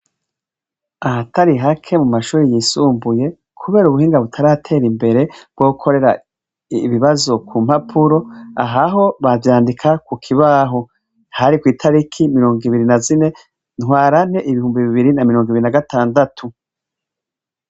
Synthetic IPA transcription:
ahataɾiɦakʰe̞mumaʃuːɾijiːsuːmbuje̞ | kʰuβe̞ːɾuβuhiːŋɡaβutʰaɾahatʰe̞ːɾimbe̞ɾe̞b̥̚ɡ̥wokʰo̞ɾe̞ɾa | βiβazo̞kʰuːm̥hapʰuɾo̞a̰ɦaɦo̞βavjaːndikʰakukʰiβaːɦo | haɾikwiːtʰaɾikʰimiɾo̞ːŋɡiβiɾinazine̞ | n̥hwaːɾan̥e̞ʔiβihuːmbiβiβiɾinamiɾo̞ːŋɡiβiɾinaɡataːndatʰu

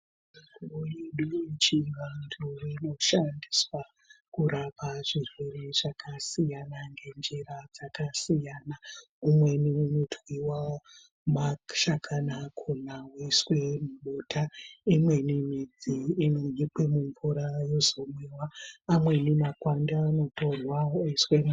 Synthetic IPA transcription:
mikuojeɗut͡ʃiʋantʰurino̞ʃandiswa | kuɾapaʐ̥irwe̞re̞ʐ̥akasijanaŋɡe̞nd͡ʒeɾad͡zakasijana | umwe̞niunotʰwiwa | maʃakʰanakʰonawoiswe̞muɓotʰaimwe̞nimid͡ziːnoipwemuɱvuɾajo̞zo̞mwewaːmwe̞nimakwandaːno̞to̞nwaoiswem

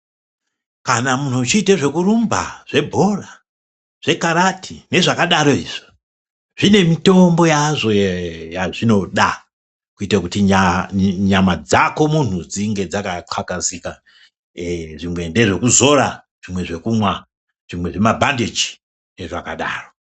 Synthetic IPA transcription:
kanamun̤ut͡ʃiːtaʐe̞kuɾumba̰ʐ̥e̞bʱo̞ra | ʐ̥e̞kaɾatʰine̞ʐakaɗaɾo̞iːʐ̥i̥ | ʐine̞mito̞mbo̞jaʐo̞jaʐino̞ɗa | kuitakutiɲaɲamad͡zako̞munud͡ziŋɡe̞d͡zakaǃwakazika | ʐimwe̞nde̞ʐe̞kuzo̞ɾa | ʐ̥imwe̞ʐe̞kumwa | ʐ̥imwe̞ʐe̞mabʱandid͡ʒi̥ | ne̞ʐakaɗa̰ːro̞

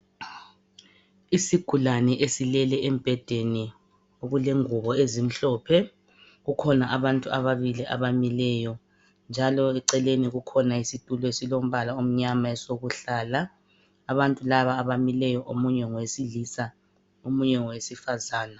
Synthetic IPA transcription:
isiɡ̥ʱulanɛʔesilɛlɛɛm̩b̥ʱɛd̥ʱeni | oɣulɛŋuβɔezim̩ɬɔːpʰɛ | ɣukʰɔnaʔaβantʼuaβaβiliʔa̰βamilɛjɔ | nd͡ʒʱalɔɛǀɛleniɣukʰɔnaisitʼulɔesilom̩βalaom̩ɲamaɛsoɣuɬaːlaː | βantʼulaβaːβamilɛjɔʔomuɲɛŋɔwesilisa | omuɲɛŋɔwesifazaːna

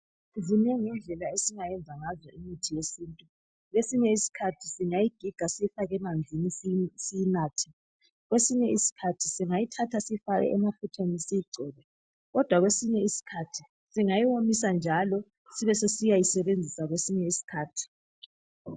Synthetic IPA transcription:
uvunɛŋɛnd͡ɮʱɛlaesiŋajɛnd͡zʱaŋazɔimitʰijesiːntʼu | ɣesiɲɛisi̥kʰatʰisiŋajiɡ̥ʱiɡ̥ʱasijifaɣɛmand͡zʱinissijinaːtʰɛ̥ | ɣwesiɲɛisi̥kʰatʰisiŋajitʰatʰasifaɣɛ̰ʔɛmaputʰenisijiɡ͡ǀʱɛːlɛ | ɣɔd̥ʱwaɣwesiɲɛisi̥kʰatʰi | siŋajiwomis̬and͡ʒʱalɔ | siβɛsesijajisɛβend͡zʱisaɣwesiɲɛisi̥kʰaːtʰi̥

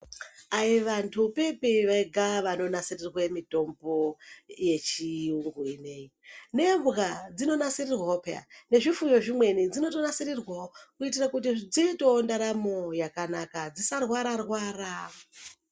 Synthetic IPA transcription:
aiʋantʰupe̞piʋaiɡʱaʋano̞nasirirwe̞mito̞mbo̞je̞t͡ʃiuŋɡuine̞jine̞mɣad͡zino̞nasirirwaopea̰ne̞ʐifujo̞ʐimwe̞nid͡zino̞to̞nasirirwaokuitirakut̬id͡zito̞ndaɾamo̞jakanakad͡zisarwaɾarwaːra

